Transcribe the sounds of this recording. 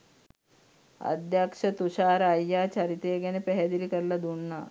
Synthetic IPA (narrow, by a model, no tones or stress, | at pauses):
ə̰d̪jakʂɐt̪uɕaːɾajːat͡ɕaɾit̪eɡanepɛɦed̪ilikəɾlad̪uɳːa